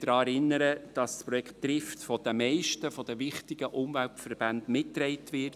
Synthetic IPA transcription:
d̥ɾɑːɛɾɪnːəɾəd̥ɑsspɾɔjɛkttːɾɪftfɔd̥̪əmɛɪʃtəfɔd̥̪əʋɪχtɪɡ̥əʔʊmvæltfərb̥ændmɪtːɾɛɪtʋɪt

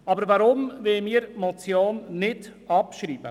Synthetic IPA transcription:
ɑbəɾvɑɾʊmvemiːɾmɔt͡sjoːnːɪd̥ɑpʃɾiːb̥ə

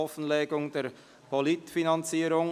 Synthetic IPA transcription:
ɔfn̩lɛːɡʊŋd̥eːɾ | pʰɔlɪtfinɑnt͡siːɾʊŋ

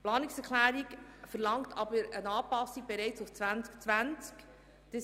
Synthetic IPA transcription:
plɑːnɪksɛklæːɾikfəɾlɑŋktʰɑbəɾənɑːpɑsiɡ̥̚bɛɾɛɪt͡sʊft͡sʋænt͡skt͡sʋænt͡sk | d̥ə

